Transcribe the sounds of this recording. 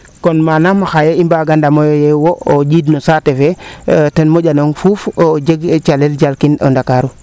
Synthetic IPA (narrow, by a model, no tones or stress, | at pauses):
konmanamaxajeimbaɡandamojojewood͡ʒidnosatefetenmoɟanoŋfufd͡ʒeɡt͡ʃalelɟalkino̰ndakaɾu